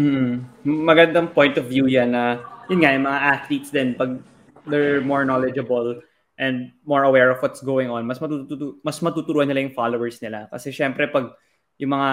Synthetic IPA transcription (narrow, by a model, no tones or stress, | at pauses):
m̩ːhm̩mɐɡɐnd̪ɐŋpojnt̪ɔvjuːjanːɐjʊnŋajʊŋmɐŋaʔat̪lit̪sd̪ɛnpɐɡ̚ | d̪ɛɹmoɹnolɛd͡ʒɐbɐl | ʔɛ̃nd̪̚mɔɹɐwɛɹɔvwɔt̪sɡoːwɪŋõnmɐsmɐt̪ut̪utumɐsmɐt̪uːt̪ʊɾuːʔɐnːɪlajʊŋfalowɛɹsnɪlakɐsɛʃɛmpɾɛpɐɡ̚ | jʊŋmɐŋa